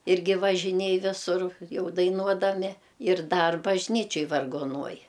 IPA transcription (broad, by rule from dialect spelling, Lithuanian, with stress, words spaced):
ˈɪrʲɡʲɪ ʋɐʒʲɪˈnʲeːj ˈʋʲɪsʊr ˈjɛʊ dɐɪˈnuɔdɐmʲɪ ɪr ˈdɐr bɐʒʲˈnʲiːt͡ʃʲoːj ʋɐrɡoːˈnuɔj